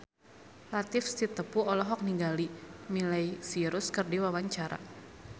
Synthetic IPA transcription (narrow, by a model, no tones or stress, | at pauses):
lat̪ɪfst̪it̪əpuɔlɔɦɔk̚niɡalimilajsiɾʊskərdiwawaɲt͡ʃaɾa̰